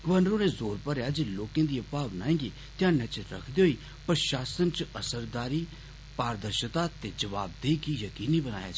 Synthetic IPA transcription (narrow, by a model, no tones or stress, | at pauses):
ɡəʋənɾoːɾeːzoːɾpəɾjaːd͡ʒiloːkẽːd̪iːəpaːʋnaːẽːɡeː | t̪ɪãːnɛt͡ʃəɾə̰kʰd̪eːɦoiː | pɾəʃaːsənt͡ʃəsəɾd̪aːɾiː | paːɾd̪əɾʃət̪aːt̪eːd͡ʒəʋa̰ːb̚d̪eːkijəkiːniːbəna̰ːja̰ːd͡ʒ